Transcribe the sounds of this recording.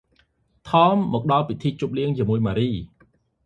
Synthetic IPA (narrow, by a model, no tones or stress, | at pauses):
t̪ʰɑːmːɔːk̚ɗɑlpit̪ʰiːt͡ɕup̚liəŋt͡ɕiəmuəjmaːɾiː